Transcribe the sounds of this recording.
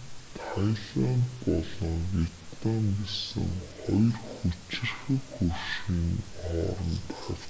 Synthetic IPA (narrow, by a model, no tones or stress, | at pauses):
t̪ʰajɮaːmpɔɮɞ̆ŋɡet̪aŋɡesɘ̰̆ŋχɔjrxut͡ɕɪ̆rxɘ̆kxurʃiːŋɔːɾɞ̆nt̪aw